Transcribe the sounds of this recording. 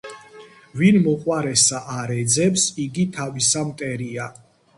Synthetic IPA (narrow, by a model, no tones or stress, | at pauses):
vinmɔqʼwaɾɛsaʔaɾɛd̪zɛpsiɡit̪ʰavisamt̪ʼɛɾia